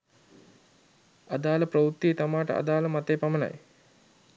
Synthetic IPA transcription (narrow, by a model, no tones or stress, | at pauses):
ad̪aːləpɾəʋut̪ːiet̪amaːʈə̰ʔa̰d̪aːləmat̪eːpaməna̰j